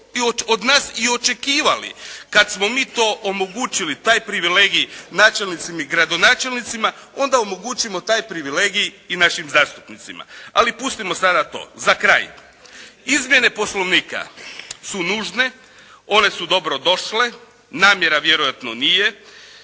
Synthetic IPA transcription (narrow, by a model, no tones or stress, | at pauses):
ood̪naːsio̞t͡ʃe̞kiːʋalḭkad̪smo̞miːt̪o̞ːʔomo̞ɡuːt͡ʃilit̪aːjpɾiʋile̞ːɡijnaːt͡ʃelnit̪simiɡɾad̪o̞naːt͡ʃelnit̪simao̞nd̪aomo̞ɡut͡ʃimo̞t̪aːjpɾiʋileːɡijːnaʃimzaːst̪u̥pnit̪sima̰alipust̪imo̞sad̪at̪o̰ːzakɾa̰ːj | izmje̞ne̞po̞slo̞ʋniːka̰sunuːʒne̞ | o̞ne̞sud̪o̞bɾo̞d̪o̞ʃle̞ | naːmje̞ɾaʋje̞ɾojat̪no̞nije̞